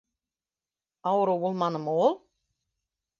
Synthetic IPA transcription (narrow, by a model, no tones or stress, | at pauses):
awɾowulˠmanəmɔːlˠ